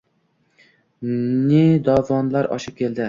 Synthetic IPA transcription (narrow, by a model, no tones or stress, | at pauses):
ned̪ɒvɒnlˠɑɾɒ̰ʃɨp̚kʲʰeld̪ɪ